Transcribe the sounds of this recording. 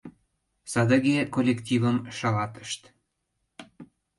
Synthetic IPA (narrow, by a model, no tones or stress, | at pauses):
sɑd̪ə̆ɣekolʲekt̪ʲivəmʃɑlɑt̪ə̥ʃt̪